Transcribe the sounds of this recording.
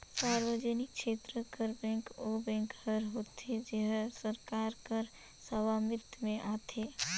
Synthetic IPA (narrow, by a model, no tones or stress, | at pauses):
saːɾʋəd͡ʒənɪkʃeːt̪ɾəkəɾbɛ̃ːŋkobɛ̃ːŋkhəɾɦoːt̪ed͡ʒeɦsəɾkaːɾkəɾ | səʋamɪt̪mẽʔaːt̪ʰeː